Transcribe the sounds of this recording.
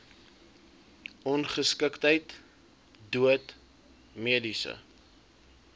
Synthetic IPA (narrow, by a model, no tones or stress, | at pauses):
ʔɔnχəskəktɦəjt | duət | miədisə̰